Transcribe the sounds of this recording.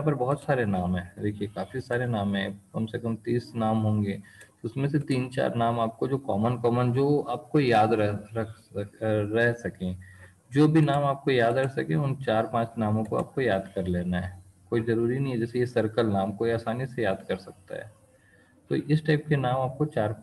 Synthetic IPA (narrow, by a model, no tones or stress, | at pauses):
ãpɐɾbɔɦʊt̪saːɾenaːmɦɛ̃ːd̪eːkʰiekaːfisaːɾenaːmɦɛ̃kɐmsekɐmt̪iːsnaːmɦõːŋɡeːt̪oʊsmẽs̬et̪iːnt͡ʃa̰ːɾnaːmaːp̚kod͡ʒoːkɔːmənkɔːmənd͡ʒoːaːp̚kojaːd̪ɾɛɾɐk | ɾɛɦsɐkẽ | d͡ʒoːbʱinaːmaːp̚kojaːd̪ɾɐsɐkẽʊnt͡ʃaːɾpãːt͡ʃnaːmõkoa̰ːp̚kojaːd̪kɐɾleːnaɦɛː | koːizɐɾuːɾinɐɦĩɦɛd͡ʒɛːsejesɐɾkəlnaːmkoːiaːsaːnisejaːd̪kɐɾsɐk̚t̪a̰ɦɛ̰ː | t̪o̰ʔɪsʈaɪp̚kenaːmaːp̚kot͡ʃaːɾ